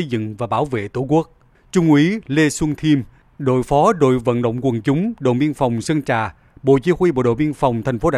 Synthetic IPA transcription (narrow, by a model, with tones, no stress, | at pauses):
jzɨ̰˧˨ŋvaː˨˩ɓaː˧˩wvḛ˧˨t̪u˧˩˦ku˦˥ək̚ | t͡ɕʊ˧ŋ͡mʔwi˨˦le˧swə˧ŋt̪ʰi˧m | ɗo̰˧˨jfɔ˨˦ɗo̰˧˨jvə̰˧˨nɗə̰˧˨wŋ͡mkwə˨˩nt͡ɕʊ˨˦ŋ͡mɗo̰˧˨ɓi˧ənfa˨˩wŋ͡msə˧ŋt͡ɕaː˧˨˩ | ɓo̰˧˨t͡ɕi˨˦xwi˧ɓo̰˧˨ɗo̰˧˨ɓi˧ənfa˨˩wŋ͡mt̪ʰɛ˨˩jŋ̟fo˨˦ɗaː˧